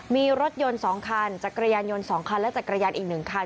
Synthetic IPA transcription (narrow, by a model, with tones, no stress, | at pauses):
miː˧ɾo˦˥t̪̚jo˧nsɔː˩˦ŋkʰa˧nt͡ɕaː˨˩kːɾa˧jaː˧njo˧nsɔː˩˦ŋkʰa˧nlɛ˦˥t͡ɕaː˨˩kɾa˧jaː˧nʔiː˨˩k̚nɯ˨˩ŋkʰa˧